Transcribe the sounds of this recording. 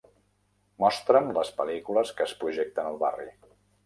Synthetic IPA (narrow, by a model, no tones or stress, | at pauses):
mɔst̪ɾəmləspəlikuləskəːspɾuʒek̚t̪ənəlˠβarḭ